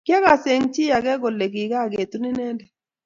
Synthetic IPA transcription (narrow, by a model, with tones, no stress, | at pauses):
kjɛ˦ka˨se˨ŋt͡ʃɪ˦ja˨ɡɛ˦ɡo˨le˨ɡi˨ɡa˦˨ɡe˨t̪u˦nɪ˦nɛ˦ndɛ˨